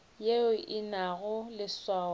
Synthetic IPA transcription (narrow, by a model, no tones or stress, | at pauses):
jeʊʔɪnaɣʊlɪswaː